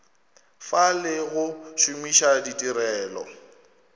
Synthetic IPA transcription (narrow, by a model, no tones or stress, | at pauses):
falɪɣʊʃʊmiʃaditʼiɾɛːlɔ̰